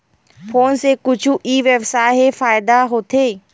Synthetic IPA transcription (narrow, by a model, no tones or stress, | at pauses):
foːnsekʊd͡ʒʱuʔiːʋəʋsaːɦefaːɪd̪aɦoːt̪ʰeː